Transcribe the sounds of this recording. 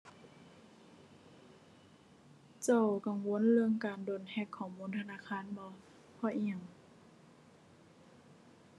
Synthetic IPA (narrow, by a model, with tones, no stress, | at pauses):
t͡ɕa˧˩˨wka˨˩ŋwo˧˥˨nlɯ˧əŋkaː˨ndoː˨˩nhɛ˧˩kʰːɔː˨˩muː˧˥˨nt̪ʰa˧naː˧˥˨kʰaː˧˥˨nbɔ˧˦ | pʰɔ˧˨ʔi˧˩ə˨ŋ